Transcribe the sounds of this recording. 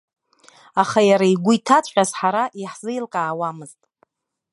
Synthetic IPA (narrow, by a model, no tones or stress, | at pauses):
aχajaɾaiɡʷʊitʰat͡sʷʼħʲᶣazħaɾaʔiħz̥ɨjlqʼaːwamɨztʼ